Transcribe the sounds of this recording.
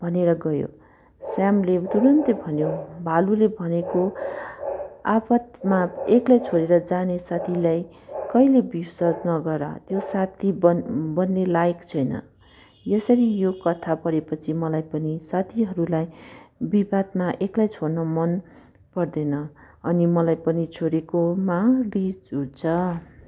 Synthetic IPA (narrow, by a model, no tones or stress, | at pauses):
bʱʌneɾʌɡʌjo̰ | samlet̪uɾʌnt̪ebʱʌnjobʱalulebʱʌneko | apʌt̪maeklajt͡sʰoɾeɾʌd͡zanesat̪ʰilaj | kʌilebisʌd͡znʌɡʌra̰t̪josat̪ʰibʌnːelajkt͡sʰʌjnʌ̰ | jʌsʌɾijokʌt̪ʰapʌɾepʌt͡sʰimʌlajpʌnisat̪ʰiɦʌɾulajbibʱad̪maʔeklajt͡sʰornʌmʌn | pʌrd̪ʌnʌ | ʌnimʌlajpʌnit͡sʰoɾekomarid͡zut͡sʰʌ